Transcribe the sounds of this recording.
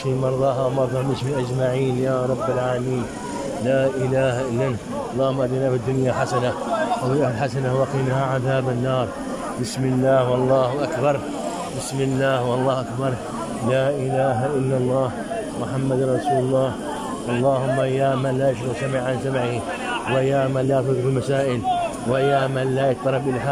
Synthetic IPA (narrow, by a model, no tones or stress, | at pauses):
ʃimɑɾˤðˤɑɦamɑɾˤðˤɑmɪʃmɪnʔad͡ʒmaʕiːnjaːɾˤɑbːalʕaːlamiːn | laːʔɪlaːhaʔɪlːan | ɑlˤːɑːhʊmːaʔad̪iːnafɪd̪ːʊnjaħasana | ʔaad͡ʒahlħasanawaqiːnhaʕaðaːbɪnːɑːɾˤ | bɪsmɪlːaːhwɑlˤːɑːhʊʔakbɑɾˤ | bɪsmɪlːaːhwɑlˤːɑːhʔakbɑɾˤ | laːʔɪlaːɦaʔɪlːɑlˤːɑːh | mʊħamːad̪anɾˤɑsuːlɑlˤːɑːh | ʔɑlˤːɑːhʊmːajaːmanlaːjaʃ̬ɾɪsamɪʕːansamʕɪhi | wɪjaːmanlaːt̪ʊðɾɪlmasaːʔɪlwajaːmanlaːjɑt̪t̪ˤːɑlɑbʔɪlħa